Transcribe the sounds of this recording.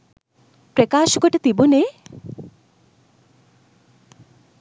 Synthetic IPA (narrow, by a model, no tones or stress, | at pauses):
pɾekaːʃɔkoʈet̪ibune